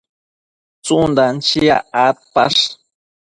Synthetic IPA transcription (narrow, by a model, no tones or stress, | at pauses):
t͡sund̪ant͡ʃia̰at̪̚pa̰ʂ